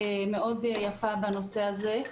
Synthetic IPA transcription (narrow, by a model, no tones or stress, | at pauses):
meʔodjafabanoseaze